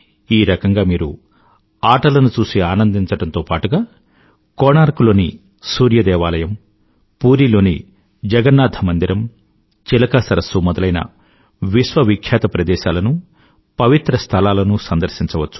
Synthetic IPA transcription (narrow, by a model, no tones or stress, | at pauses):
iːɾɐkɐŋɡaːmiːɾu | aːʈɐlɐnut͡ʃuːsiaːnɐnd̪iɲt͡ʃɐɽɐnt̪oːpaːʈuɡaː | koːnaːɾkulo̞ːni | suːɾjɐd̪ɛːʋaːlɐjɐm | puːɾiːlo̞ːni | d͡ʒɐɡɐɾnːaːd̪ʱɐmɐnd̪iɾɐm | t͡ʃilɐkɐsɐɾɐsumɔd̪ɐlɐjnɐ̰ | ʋiʃʋɐʋikʰjaːt̪ɐpɾɐd̪ɛːʃaːlɐnu | pɐʋit̪ɾɐst̪ʰɐlaːlɐnusɐnd̪ɐɾʃiɲt͡ʃɐʋɐt͡ʃːu̥